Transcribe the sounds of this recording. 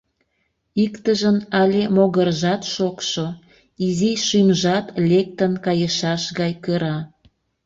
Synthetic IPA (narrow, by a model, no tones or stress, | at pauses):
ikt̪əʒənɑlʲemoɣərʒɑt̪ʃokʃo | iziʃymʒɑt̪lek̚t̪ənkɑjəʃɑʃɣɑjkəɾɑ